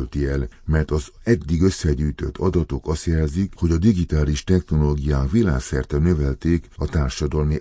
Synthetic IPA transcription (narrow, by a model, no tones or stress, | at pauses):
lt̪iɛlmɛrt̪ɒzɛd̪ːiɡø̞sːɛɟyːjt̪ø̞̰t̪ʰːɒd̪ɒt̪o̞kɒst̪jɛlzikho̞ɟɒd̪iɡit̪aːliʃt̪ɛxno̞loːɡijaːkʋila̰ːksɛrt̪ɛnø̞vɛlt̪eːkɒt̪aːrʃɒd̪ɒlmi